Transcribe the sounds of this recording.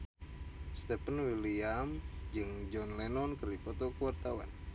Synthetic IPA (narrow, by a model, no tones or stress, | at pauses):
st̪ɛpənwiliamd͡ʒɨŋd͡ʒɔnlɛnɔnkərdipɔt̪ɔkəwart̪awa̰n